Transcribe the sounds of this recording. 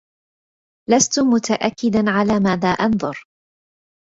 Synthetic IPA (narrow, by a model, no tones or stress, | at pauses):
last̪ʊmʊt̪aʔakːɪd̪anʕalaːmaːðaːʔɑnðˤɑɾ